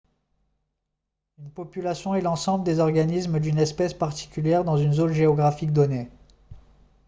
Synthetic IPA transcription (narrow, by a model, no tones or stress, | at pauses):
ynpɔpylasjɔ̃ɛlɑ̃sɑ̃bləd̪ezɔʁɡanismd̪ynɛspɛspaʁt̪i̥kʲyljɛʁd̪ɑ̃zynzonʒeɔɡʁafik̚d̪ɔne